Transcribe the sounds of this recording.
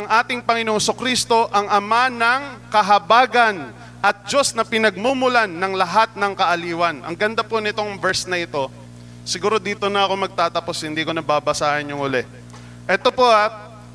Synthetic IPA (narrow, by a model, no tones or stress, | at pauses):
ʔɐŋʔaːt̪ɪŋpɐŋɪnoŋsokɾist̪o̞ʔɐŋɐmanɐŋkɐɦɐbaːɡɐn | ʔɐt̪̚d͡ʒo̞snɐpɪnɐɡ̚muːmʊlanːɐŋlɐɦat̪̚nɐŋkɐʔɐliːwɐnʔɐ̰ŋɡɐnd̪aponɪt̪oŋvɛɹsnɐʔɪt̪o̞ | sɪɡuːɾo̞d̪iːt̪o̞nɐɐkomɐɡ̚t̪aːt̪ɐpo̞shɪnd̪iːkonɐbaːbɐsaːhɐnjʊŋʔʊlɛ | ʔɛt̪o̞po̞ʔa